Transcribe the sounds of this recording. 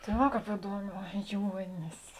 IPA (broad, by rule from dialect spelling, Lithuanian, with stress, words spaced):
tɐɪ ˈʋɐ ˈkɑːp ɪˈduɔˌmʲɛː ˈjuɔnʲɪs